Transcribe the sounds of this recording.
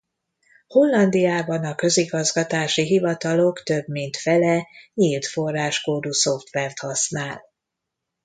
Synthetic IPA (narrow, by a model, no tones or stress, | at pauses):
ho̞lːɒnd̪ijaːbɒnɒkø̞ziɡɒzɡɒt̪aːʃiɦivɒt̪ɒlo̞kt̪ø̞bmint̪fɛlɛɲilt̪fo̞rːaːʃkoːd̪uso̞ft̪ʋɛrt̪hɒsnaːl